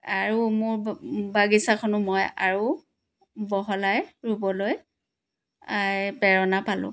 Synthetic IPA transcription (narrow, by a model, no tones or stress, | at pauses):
aɹumʊɹbaɡisakʰɔnʊmɔja̰ɹu | bɔɦɔlajɹubɔloj | ajpɛɹɔnapalʊ̰̃